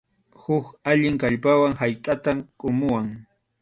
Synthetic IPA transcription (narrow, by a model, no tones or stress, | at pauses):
hʊkaʎɪŋkaʎpawaŋhajt̪ʼat̪amkʼʊmʊwaŋ